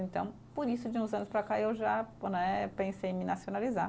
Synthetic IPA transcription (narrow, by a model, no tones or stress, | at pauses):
ẽnt̪ɐ̃w̃ | pʊɾisʊd͡ʒɪũzɐ̃nʊspɾakaewʒanɛpẽsejmɪnasionaliza